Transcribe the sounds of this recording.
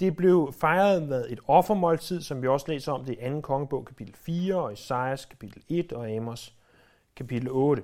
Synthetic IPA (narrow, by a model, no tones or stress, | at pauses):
d̥e̝b̥le̝ʊfɑ̈ɪɐð̞ˠʋeðˠe̝d̥ɒ̽fɐmɒ̽lt͡sʰið̞̰ˠsɒ̽mʋiɒ̽səlḛːsɐɒ̽md̥e̝ʔænn̩kʰɒ̽ŋəb̥ɔ̽ʊ̰kʰæpʰid̥l̩fiːɐɒ̽esɑ̈ɪæskʰæ̥pʰid̥l̩e̝d̥ɒ̽ɛmos | kʰæpid̥l̩ɔːɾ̥ə